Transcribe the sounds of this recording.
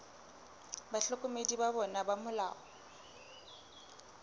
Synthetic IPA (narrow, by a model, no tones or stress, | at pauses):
baɬɔkʼʊmedibabɔnabamʊla̰ːɔ